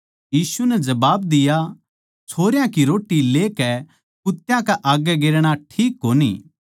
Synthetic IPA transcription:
jiːsunɛd͡ʒɐbaːbd̪ɪja | t͡ʃʰoːɾɪjãkiɾoːʈːileːkɛ | kʊt̪ːjãkaʔaɡɛɡeːɾɽ̃aʈʰiːkːoːnḭː

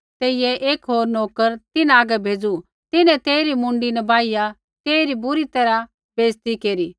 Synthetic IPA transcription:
t̪eːɪjɛʔeːkɦoːɾnoːkəɾt̪ɪnaːɡɛbʱeːd͡zu | t̪ɪnɛ̃t̪eːɾimʊ̃ɳɖinɛbaːɪja | t̪eːɾibʊɾit̪ɐɾa | b̥ʱeːst̪ikeːɾiː

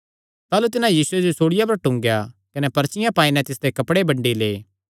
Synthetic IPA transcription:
t̪aːlut̪ɪnãjiːsʊed͡ʒosoːɽɪjap̬ɐɾʈʊ̃ŋɡjakɐnepɐɾt͡ʃɪjãpãːĩnɛt̪ɪsd̪ekɐpɽebɐ̃ɳɖileː

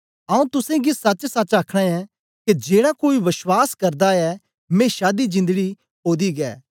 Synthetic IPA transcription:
ɐũt̪ʊsẽɡisɐt͡ʃsɐt͡ʃaːkʰɽ̃ãɛ | ked͡ʒeːɽakoːiʋɪʃwaːskɐɾd̪aɛ | mẽːʃaːd̪id͡ʒɪ̃nd̪əɽi | ɦoːd̪iɡɛ̰ː

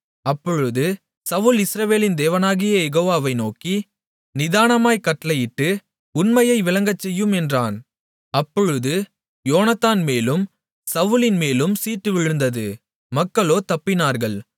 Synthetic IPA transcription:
ɐpːɔɻɯðɯ | sɐʋɯlɪsɾɐʋeːlɪnd̪eːʋɐnaːɣɪjɐjɛɣoːʋaːʋɐɪnoːki | nɪðaːnɐmaːjkɐʈːɐlɐjɪʈːɯ | ʊnmɐjɐɪʋɪlɐŋɡɐt͡ʃːɛjːɯmɛndraːn | ɐpːɔɻɯðɯ | joːnɐt̪ːaːnmeːlɯm | sɐʋɯlɪnmeːlɯmsiːʈːɯʋɪɻɯnd̪ɐðɯ | mɐkːɐɭoːt̪ɐpːɪnaːɾɣɐɭ

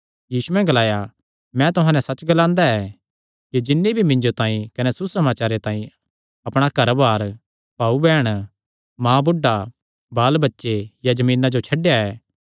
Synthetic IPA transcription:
jiːsuɛ̃ɡɐlaːja | mɛ̃t̪ʊɦãːnɛsɐt͡ʃɡɐlãːnd̪aɛ | kid͡ʒɪnːibʱimɪ̃ɲd͡ʒot̪ãːĩkɐnɛsusɐmaːt͡ʃaːɾet̪ãːĩ | ɐpɽ̃akɐɾbaːɾ | paːubɛːɽ̃ | mãːbʊɖːa | baːlbɐtːʃejad͡ʒɐmĩːnad͡ʒot͡ʃʰɐɖejaɛː

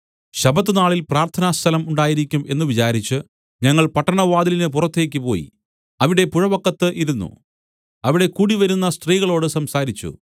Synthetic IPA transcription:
ɕɐbɐt̪̬ːɨnaːɭilpraːrt̪ʰɐnaːst̪ʰɐlɐmuɳɖaːjiɾikʲːume̞nːɨʋit͡ɕaːɾit͡ɕːɨ | ɲɐŋːɐɭpɐʈːɐɳɐʋaːd̪ilinɨpurɐt̪ːe̞ːk̬ʲːɨpo̞ːjḭ | ɐʋiɽe̞puɻɐbɐkːɐt̪ːɨʔiɾunːṵ | ɐʋiɽe̞kuːɽiʋɐɾunːɐst̪riːɣɐɭo̞ːɽɨsɐmsaːɾit͡ɕːṵ

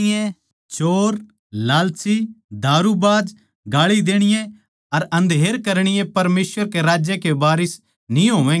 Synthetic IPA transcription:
ẽ | t͡ʃoːɾ | laːlsid̪ʱaːɾubaːd͡ʒ | ɡaːɭid̪eːɽ̃ɪjẽ | ɐɾɐ̃nd̪ʱeːɾkɐɾɽ̃ɪjẽpɐɾmeːsʋəɾkeɾaːd͡ʒjekebaːɾɪs | nĩɦoːʋɛ̃ː

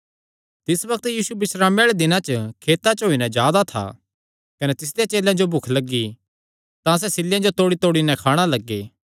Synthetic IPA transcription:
t̪ɪsʋɐkt̪jiːsubɪsɾaːmeɽɭed̪ɪnãt͡ʃəkʰeːt̪at͡ʃɦoːinɛ̃d͡ʒjaːd̪at̪ʰa̰ː | kɐnɛt̪ɪs̬d̪ejãt͡ʃeːlãd͡ʒobʱʊkʰlɐɡːi | t̪ãs̬ɛsɪlːjãd͡ʒot̪oːɽit̪oːɽinɛ̃kʰaːɽ̃alɐɡːeː

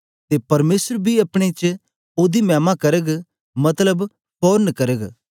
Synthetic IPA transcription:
t̪epɐɾmeːsəɾbʱiɐpɽ̃et͡ʃ | oːd̪imɛ̃ːmakɐɾəɡ | mɐt̪ləb | pʰɔːɾnkɐɾəɡ

